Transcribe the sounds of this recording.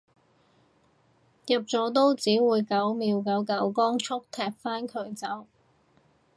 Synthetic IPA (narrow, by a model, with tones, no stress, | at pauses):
jɐ˨p̚t͡sɔː˨˥t̪̬o˥wt͡siː˨˥wuː˨˧jkɐ˨˥wmiː˨˧wkɐ˨˧wkɐ˨˥wkɔː˥ŋt͡sʰʊ˥k̚t̪ʰɛː˨˩k̚faː˥nkʰɵ˨˥ɥt͡sɐ˨˥w